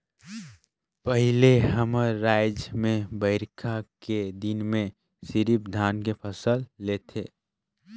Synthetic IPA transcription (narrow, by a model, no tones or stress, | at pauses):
pəɦɪleɦəməɾaːɪd͡ʒmẽbəɪɾkʰaked̪ɪnmẽ | sɪɾipd̪ʱaːnkepʰəsəlːeːt̪ʰeː